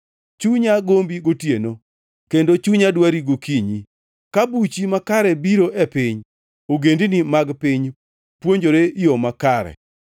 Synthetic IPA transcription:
t͡ʃuɲaɡombiɡotjeno | kendot͡ʃuɲadwaɾiɡokiɲi | kabut͡ʃimakaɾɛbiɾoʔɛpɪɲ | oɡendinimaɡpɪɲ | pwoɲd͡ʒoɾeijomakaɾɛ̰

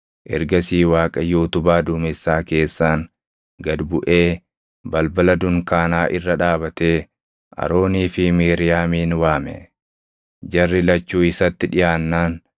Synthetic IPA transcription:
ʔɛ̰ɾɡɐsiːwaːkʼɐjuːt̪ʊbaːd̪ʊmɪsːaːke̞ːsːaːŋ | ɡɐd̪bʊʔe̞ː | bɐlbɐlɐd̪ʊŋkaːnaːʔɪrːɐᶑaːbɐt̪eː | ʔɐ̰ɾo̞ːniːfɪmiːɾɪjaːmiːnwaːmɛ̰ | d͡ʒɐrːɪlɐt͡ʃːuːɪsɐt̪ːɪᶑɪjaːnːaːn

